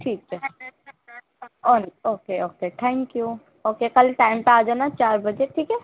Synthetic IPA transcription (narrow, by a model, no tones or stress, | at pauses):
ʈʰiːkɛ | ɔnoːkeoːkeʈʰaɪmkju | oːkekɐlʈaːɪmpeaːd͡ʒonat͡ʃaːɾbɐd͡ʒeʈʰiːkɛ